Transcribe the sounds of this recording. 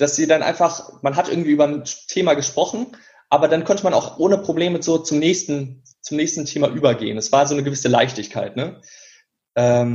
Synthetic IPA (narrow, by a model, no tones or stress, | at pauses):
d̥asz̥iːdanʔa̰ɪnfaχmanɦatʔɪɐɡŋ̩tv̥iʔyːbɐntʰeːmaɡəʃpʁ̥ɔχn̩ | ʔaːbɐdankʰɔntəmana̰ʊxʔoːnəpʁ̥obleːməzoːt͡sʊmnɛːçstn̩ | t͡sʊmnɛːçstn̩tʰeːmaʔyːbɐɡḛːənɛsv̥aːɐzoːnəɡəvɪsəla̰ɪçtɪçkʰa̰ɪtnə | ʔɛːm